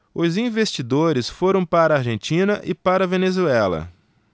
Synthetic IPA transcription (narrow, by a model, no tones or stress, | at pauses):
ʊzĩvest͡ʃid̪oɾɪsfoɾɐ̃w̃paɾɐaɾʒẽnt͡ʃĩnɐʔɪpaɾɐvenezuɛlɐ̰